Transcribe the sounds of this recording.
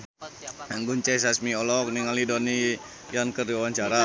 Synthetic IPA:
ŋɡuɲt͡ʃɛs̬asmiolɔk̚niŋalidoni | jankərdiawaɲt͡ʃaɾa

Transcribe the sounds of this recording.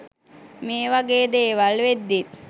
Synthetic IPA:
meːʋaɡeːd̪eːʋalʋed̪ːit̪

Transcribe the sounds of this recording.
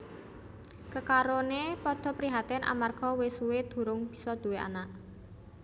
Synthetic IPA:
kəkaɾonepɔd̪̥ɔ̤pɾiɦat̪ɛnʔa̰marɡ̥ɔ̤wesuwed̪̥ṳɾʊŋb̥i̥̤sɔd̪̥ṳwea̰naʔ

